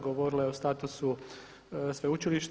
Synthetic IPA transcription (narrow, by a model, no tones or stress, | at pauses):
ɡoʋoɾilaeost̪aːt̪usu | sʋeut͡ʃiliʃt̪